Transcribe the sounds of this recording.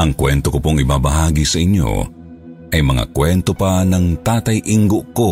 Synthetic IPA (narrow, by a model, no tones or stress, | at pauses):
ʔɐŋkwɛnt̪okopoŋɪbabɐɦaːɡisɐʔiɲjo̞̰ | ʔɐjmɐŋa̰kwɛnt̪opanɐŋt̪aːt̪ajʔiŋɡoʔko